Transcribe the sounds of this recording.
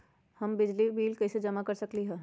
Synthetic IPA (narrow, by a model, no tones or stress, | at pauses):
hɐmbɪd͡ʒlibiːlkɐised͡ʒɐmakɐɾsɐkliɦɛː